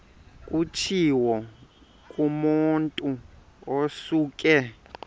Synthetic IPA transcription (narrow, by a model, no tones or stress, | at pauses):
kʼut͡ʃʰiwɔ | kʼumuntʼu | osuːkʼɛ